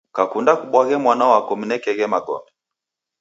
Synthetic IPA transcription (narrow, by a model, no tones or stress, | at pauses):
kakundakuɓwaɣɛmwanaɔwakɔm̩nɛkɛɣɛmaɡɔ̰mbɛ